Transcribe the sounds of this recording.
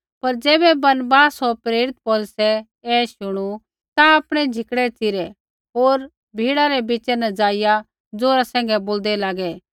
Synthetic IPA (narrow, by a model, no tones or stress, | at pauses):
pɐɾd͡ʒeːbɛbɐnbaːsoɾpɾeːɾɪt̪̚poːlsɛ | ɛːʃʊɽ̃u | t̪aapɽ̃ɛd͡ʒʱɪkɽɛt͡sɪɾɛ | ɦoːɾ | bʱiːɽaɾɛbit͡ʃɛnɛd͡zaːɪja | d͡zoːɾasɛ̃ːŋɡɛboːld̪ɛlaːɡɛ